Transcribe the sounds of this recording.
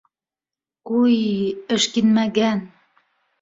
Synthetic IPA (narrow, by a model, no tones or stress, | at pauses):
kujɘ̆ʃkinmæɣæn